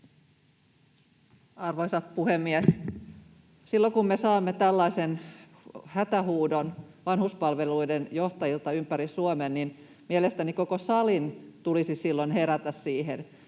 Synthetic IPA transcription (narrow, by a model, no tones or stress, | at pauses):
ɑrʋoisɑt̪puhemːies | silːokummesɑːmːet̪ælːɑisen | hæt̪æhuːdonʋɑnhuspɑlʋeluidenjoht̪ɑjilt̪ɑympæɾisuomennin | mielest̪ænikokosɑlint̪ulisisilːonheɾæt̪æssiːɦen